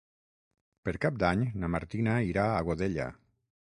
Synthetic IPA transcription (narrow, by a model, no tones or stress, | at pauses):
pəɾkap̚d̪aɲnamaɾt̪inaiɾaaɣoðeʎa̰